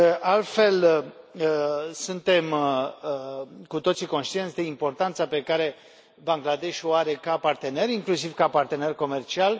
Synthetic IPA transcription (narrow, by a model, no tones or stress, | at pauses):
ʔalt̪fe̞l | sunt̪e̞m | kut̪o̞t̪siko̞nʃt̪ient̪sʲd̪e̞impo̞rt̪ant̪sape̞kaɾe̞ | baŋɡlad̪e̞ʃoaɾe̞kapart̪e̞ne̞ɾiŋklusivkapart̪e̞ne̞rko̞me̞rt͡ʃial